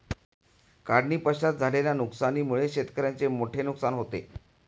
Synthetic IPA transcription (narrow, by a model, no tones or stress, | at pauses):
kaɽniːpəɕat̪̚d͡zʱaleljanuksaniːmuɭeɕet̪kəɾjant͡semoʈʰenuksanɦot̪ḛ